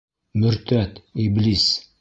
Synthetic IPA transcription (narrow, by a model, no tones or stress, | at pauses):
mɵ̆ɾt̪æt̪iblis